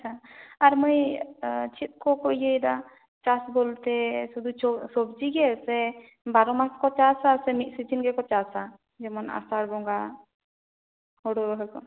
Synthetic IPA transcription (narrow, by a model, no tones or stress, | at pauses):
at͡ʃʰaaɾmɔj | t͡ʃʰit̪̚ˀkɔkojejd̪a | t͡ʃasbɔlt̪ɛsud̪ut͡ʃɔsɔbd͡ʒiɡɛsɛ | baɾɔmaskɔt͡ʃasasɛmit̪̚ˀsit͡ʃinɡɛkɔt͡ʃasa | d͡ʒɛmɔna̰saɽbɔŋɡa | ɔɽɔɾɔɦɔkɔ